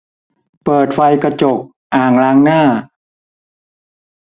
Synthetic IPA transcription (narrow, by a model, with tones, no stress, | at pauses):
pɤː˨˩t̪̚fa˧jkɾa˧t͡ɕo˨˩k̚ | ʔaː˨˩ŋlaː˦˥ŋnaː˥˩